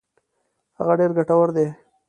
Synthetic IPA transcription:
ha̰ɣaɖeɾɡaʈawəɾd̪e

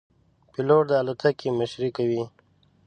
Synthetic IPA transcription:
piloʈ̚d̪əːlat̪ʰakiməʃɾikawi

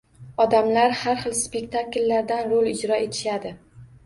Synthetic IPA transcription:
ɒd̪amlaɾhaɾχɨlˠspe̞k̚ʲt̪ʰaklːaɾd̪anɾolˠɪd͡ʒɾɒʔe̞t̪ʰɪ̥ʃad̪ɪ

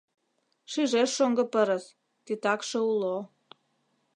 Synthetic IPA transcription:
ʃiʒeʃːoŋɡɤ̆pəɾə̆s | t̪it̪ɑkʃĕulo

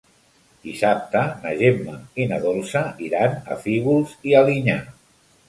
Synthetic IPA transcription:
d̪̥isap̚t̪ənaʒemːainaðolˠsaiɾana̰fiɣulˠzialiɲa

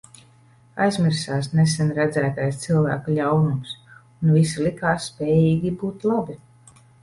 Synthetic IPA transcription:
a̰jzmʲiɾsaːsnesɛnɾæd̪zæːt̪ajst̪silˠvæ̰ːkulʲawnums | unvis̬ilikaːsːpʲɛːjiːɡʲibuːt̪lˠabi

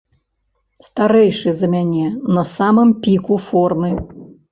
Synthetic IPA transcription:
st̪aɾɛjʂɨzɐmʲanʲɛnɐsamɨmpʲikufɔrmɨ

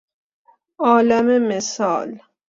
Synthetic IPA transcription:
ɒːlamemesɒ̰ːl

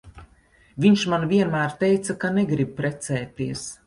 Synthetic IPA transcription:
vʲiɲʃmanvʲiɛnmæːɾt̪ɛjt̪sakanɛɡɾib̚pɾɛt̪sɛːt̪iɛs

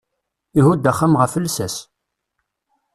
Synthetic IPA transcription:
iɦud̪æχːamʁəfəlsæs

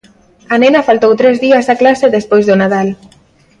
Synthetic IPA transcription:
anenafalt̪owt̪ɾɛzðiazaklaseðespojzðonað̞al

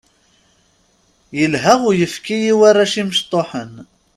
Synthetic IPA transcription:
jəlɦæʁʊjəfkijiwarːaʃiməʃt̪ˤoħən

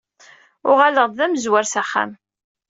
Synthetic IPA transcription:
ʊʁaləʁd̪ðæməzwæɾsæχːæ̰m

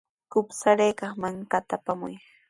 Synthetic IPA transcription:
kʊpsaɾejkɑχmaŋkat̪apamʊ̰j

